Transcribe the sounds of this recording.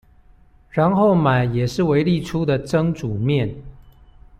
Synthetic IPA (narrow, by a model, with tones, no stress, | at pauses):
ɻa˧˥nxo˥˩ʊma˨˩ɪjɛ˨˩ʂɻ̩˥˩we˧˥ɪli˥˩˨ʈ͡ʂʰu˥d̪ə˨ʈ͡ʂɤ˥ŋʈ͡ʂu˨˩mjɛ˥˨n